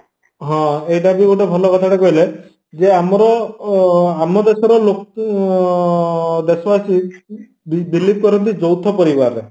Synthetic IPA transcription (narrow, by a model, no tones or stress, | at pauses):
ɦɔ̃ejɖabioʈebʱɔlɔkɔt̪ʰaʈekɔɦile | d͡ʒeamɔɾɔ | amɔd̪esɔɾɔlok | d̪esɔpasi | bbilip̚kɔɾɔnt̪̬id͡ʒɔwt̪ʰɔpɔɾibaɾe